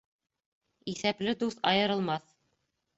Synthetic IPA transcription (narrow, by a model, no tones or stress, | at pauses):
iθæplɘd̪uθɑjɤ̆ɾɤ̆lˠmɑθ